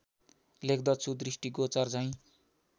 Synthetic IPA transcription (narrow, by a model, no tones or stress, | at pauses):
lek̚ʰd̪ʌt͡sʰud̪risʈiɡot͡sart͡saj̃